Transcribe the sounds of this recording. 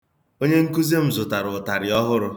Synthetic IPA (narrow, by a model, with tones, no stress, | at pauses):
o˦ɲe˦ŋ̩˦ku˦ze˦m̩˨zʊ˨ta˨ɾʊ˨ʊ˨ta˨ɾɪ˨ɔ˦ɦʊ˦ɾʊ˦